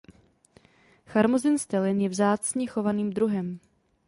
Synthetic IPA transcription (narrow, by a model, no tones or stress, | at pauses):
xaɾmozɪnst̪ɛlɪnjɛvzaːt͡sɲɛxo̞vaniːmd̪ɾuɦɛm